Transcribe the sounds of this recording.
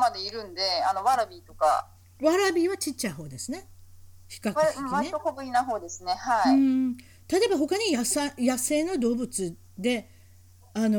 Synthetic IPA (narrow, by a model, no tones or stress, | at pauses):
mad̪e̞iɾɯ̟̃nd̪e̞ano̞βaɾabʲiːt̪o̞ka̰ | βaɾabʲiːβat͡ɕit͡ɕːaiɦo̞ːd̪e̞sɨne̞ | çi̥kakiiaokoɡɯ̟ɲʲinaɦo̞ːd̪e̞sɨne̞haiiɯ̃ | t̪at̪o̞ebaɦo̞kaɲ̟ijasajase̞ːno̞d̪o̞ːbɯ̟t͡sɨ | d̪e̞ | ano